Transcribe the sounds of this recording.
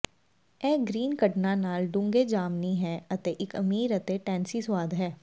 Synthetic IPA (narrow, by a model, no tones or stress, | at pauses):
ɛːɡɾiːnkɐʈnanaːlɖʊ̃ŋɡed͡ʒaːmnĩɦɛːɐt̪eʔɪkɐmiːɾɐt̪eʈɛ̃ːnsiswaːd̪ʱɦɛː